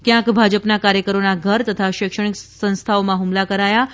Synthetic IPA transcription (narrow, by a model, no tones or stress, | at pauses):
kjãkbʱad͡ʒəpnakaɾjəkəɾonaɡʱəɾt̪ət̪ʰaʃɪkʃəɳ̃iksə̃nst̪ʰaomãɦumlakəɾaja